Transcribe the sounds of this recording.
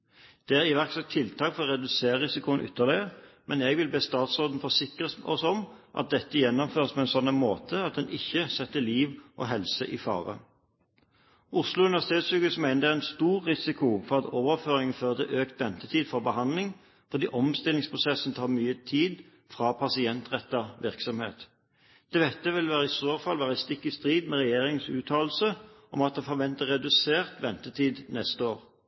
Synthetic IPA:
d̪̥ɛæʁɪʋæʁksɛt̪ʰːɪlt̪ʰɑːkfɔʁɔʁɛd̪ʉseːʁəʁɪsɪkʊənʔʏ̰t̪ːəlɪəmɛnɛɡʋɪlbeːst̪ɑːt̪sʁoːd̪n̩fɔsɪkʁəs̩ɔ̰sɔmʔɑ̰t̪̚d̪ɛt̪ːəjɛnːɔmføːʁspʰɔɛnsɔnːənmoːt̪ʰəɑt̪̚d̪ɛnʔɪçːəsɛt̪ːəliːʋʔɔ̰ːɦɛlsəʔifɑ̰ːʁə̰ | ʔʊslʊʉnʋæsɪt̪eːt̪sʉkʉsmæɪnəd̪ɛæʁɛnst̪uːʁːɪsɪkʰʊfɔʁɑt̪oːʋəʁføːʁɪŋənføːʁd̪ɛ̰ʔøːkt̪ʋɛnt̪ət̪ʰiːd̪fɔʁbəhɑnd̪lɪŋ | fɔʁd̪iːʔɔmst̪ɪlɪŋspʰʁʊsɛsn̩t̪ʰɑːʁmyːət̪ʰiːd̪ | fʁɑpʰɑsɪɛnt̪ʁɛt̪ːɑʋɪʁksɔmhḛːt̪ | d̪̥eːʋɛt̪ːəʋɪlʋæːʁəɪsoːfɑlʋæːʁəst̪ɪkːɪst̪ʁiːd̪mɛʁɛjeːʁɪŋsʉːt̪ʰɑːl̩səʔɔmɑt̪̚d̪ɛfɔʁʋɛnt̪əʁɛd̪ʉseːʁt̪ʋɛnt̪ət̪ʰiːd̪nɛst̪əoːʁ

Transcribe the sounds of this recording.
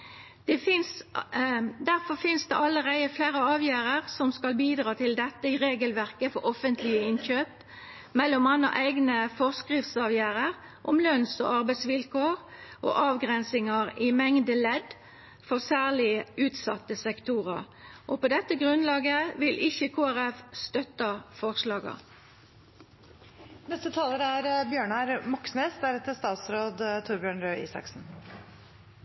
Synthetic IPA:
d̪̥ɛfɪns | d̪æʁfɔʁfɪnsd̪ɛ̰ʔɑlːəʁæɪəflæɪʁəɑːʋjæːʁəʁsɔmskɑlbiːd̪ʁɑːt̪ʰɪld̪ɛt̪ːəɪʁeːɡəlʋæʁkəfɔʔɔfənt̪ʰlɪəɪnçøːp | mɛlːɔmɑnːɑ̰ʔæɪɡnəfɔʁskʁɪft̪sɑːʋjæːʁəʁ | ʔɔmlœnsɔ̰ɑʁbæɪt̪sʋɪlkʰoːʁʔo̰ːʔɑːʋɡʁɛnsɪŋɑʁɪmɛŋd̪əlɛd̪ | fɔʁsæːʁlɪʔʉːt̪sɑ̰t̪ːəsɛkt̪ʰuːʁəʁ | ʔopoːd̪ɛt̪ːəɡʁʉnlɑːɡəʋɪlʔɪçəkʰoːæʁɛfst̪œt̪ɑfɔʁslɑːɡɑ̰ | nɛst̪ət̪ʰɑːləɾæɾbjøːɳæɾmɑksneːst̪d̪æɾɛt̪ɪst̪ɑːt̪sɾoːd̪t̪ʰʊɾbjøːɳɾøːʔḭːsɑ̰ksn̩

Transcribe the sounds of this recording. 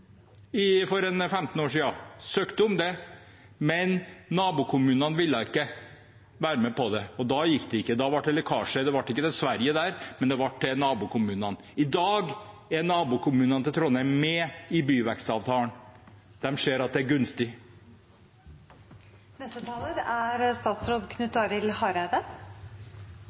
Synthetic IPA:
ɪfɔɾɛnfɛmt̪n̩oːʂiːd̪ɑsøːkt̪əʊmd̪ɛ | mɛnːɑːbʊːkʰʊmʉːnɑnʋɪlːəɪkːə | ʋæːɾəmɛpʰɔd̪ɛɔd̪ɑjɪkːd̪ɛɪkːəd̪ɑʋɑʈːɛlɛkʰɑːʂəd̪ɛʋɑʈːɪkːəd̪ɛsʋæɾjəd̪æːɾmɛnd̪ɛʋɑʈːɛnɑːbʊkʰʊmʉːnɑn | ɪd̪ɑːɡ | æɾnɑːbuːkʰʊmʉːnɑnt̪ɪt̪ʰɾɔnəmɛːɪbyːʋɛkst̪ɑːʋt̪ʰɑːɳ | d̪̥ɛmʂeːɾɑt̪̚d̪ɛæɾɡʉnst̪ɪ | nɛst̪ət̪ʰɑːləɾæɾst̪ɑːt̪sɾoːd̪kʰnʉt̪ːɑɾɪlhɑɾæd̪ə

